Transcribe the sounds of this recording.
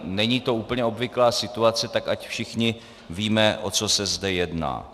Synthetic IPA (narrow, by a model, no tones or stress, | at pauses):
nɛɲiːt̪o̞uːpəɲɛo̞bvɪklaːsɪt̪uat͡sɛt̪akacfʃɪxɲɪ | viːmɛʔot͡so̞sɛzdɛjɛdna̰ː